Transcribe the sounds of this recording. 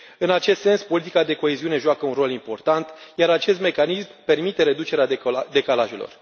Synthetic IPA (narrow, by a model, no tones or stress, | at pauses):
ɨnat͡ʃest̪se̞nspo̞lit̪ikad̪e̞ko̞e̞ziune̞ʒuakəunro̞limpo̞rt̪ant̪jaɾat͡ʃe̞st̪me̞kanismpe̞rmit̪e̞ɾe̞d̪ut͡ʃeɾead̪e̞kalaʒelo̞̰r